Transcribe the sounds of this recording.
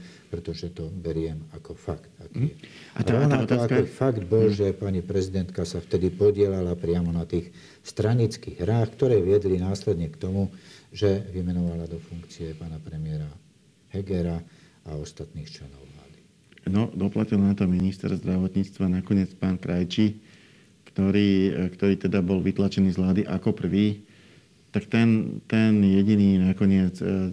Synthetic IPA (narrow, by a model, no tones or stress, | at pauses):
pɾɛt̪ɔʒɛt̪ɔbɛɾɪɛmakɔfakt̪akː | at̪aɾɔnat̪aakɔfaɡd̪̚bɔlʒɛpaɲipɾɛzid̪ɛnt̪kasaft̪ɛd̪ipɔɟɪɛlalapɾɪamɔnat̪iːx | st̪ɾaɲit͡skiɣɦɾaːxkt̪ɔɾɛːʋɪɛd̪linaːslɛd̪ɲɛkt̪ɔmuʒɛʋimɛnɔʋalad̪ɔfuŋkt͡siɛpaːnapɾɛmɪɛɾa | hɛɡɛɾa | aɔst̪at̪niːxt͡ʃlɛnɔʊʋlaːd̪i | nɔd̪ɔplacilnat̪ɔminist̪ɛ̰ɾzd̪ɾaʋɔt̪ɲiːt͡st̪ʋanakɔɲɪɛt͡spaːnkɾajt͡ʃi | kt̪ɔɾiːkt̪ɔɾiːt̪ɛd̪abɔlʋit̪lat͡ʃɛniːzʋlaːd̪iʔakɔpr̩ʋiː | t̪akt̪ɛnt̪ɛnjɛɟiniːnakɔɲɪɛt͡s